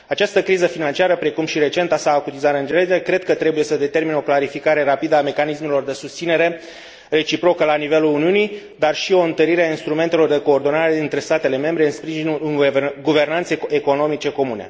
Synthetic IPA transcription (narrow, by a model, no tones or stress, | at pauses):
at͡ʃast̪əkɾizəfinant͡ʃiaɾəpɾe̞kumʃiɾe̞t͡ʃe̞nt̪asaːkut̪izaɾɨnd͡ʒeleekɾe̞d̪̚kət̪ɾe̞buje̞səd̪e̞t̪e̞rmino̞klaɾifikaɾe̞ɾapid̪əame̞kanisme̞lo̞rd̪e̞sust̪sineɾe̞ | re̞t͡ʃipɾo̞kəlanive̞luluniunij | d̪arʃio̞ɨnt̪əɾiɾeainst̪ɾume̞nt̪e̞lo̞rd̪e̞ko̞ːrd̪o̞naɾe̞ɨnt̪ɾe̞st̪at̪e̞le̞me̞mbɾe̞ɨnspɾiʒinulnɡuve̞rnant̪seeko̞no̞mit͡ʃe̞ko̞mune̞̰